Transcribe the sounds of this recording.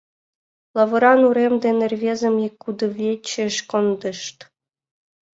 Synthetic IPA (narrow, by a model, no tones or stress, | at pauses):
lˠɑʋɤ̆ɾɑnuɾemd̪enʲerʲvʲezə̆mikːud̪ɤ̆vʲet͡ɕːĕʃkond̪ɤ̆ʃt̪